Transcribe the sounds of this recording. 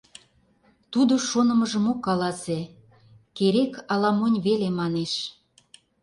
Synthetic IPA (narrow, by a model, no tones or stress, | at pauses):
t̪ud̪oʃonə̆məʒəmokːɑlɑse | keɾekɑlɑmonʲβelemɑneʃ